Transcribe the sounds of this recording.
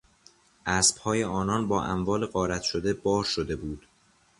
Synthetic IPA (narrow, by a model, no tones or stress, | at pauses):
ʔæsb̥hɒːje̞ɒːnɒːnbɒːʔæ̰mvɒːleɢɒːɾæt̪ʃod̪e̞bɒːɾʃod̪e̞buːd̪̥